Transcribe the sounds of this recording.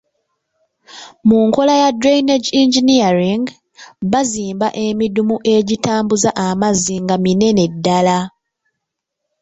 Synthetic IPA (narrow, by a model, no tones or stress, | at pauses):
muŋko̞lajadɾejneɟiɲɟiniaɾiŋɡ | βaziːmba̰ʔe̞midumuʔe̞ɟitaːmbuzaʔamaziŋɡamine̞ne̞dːala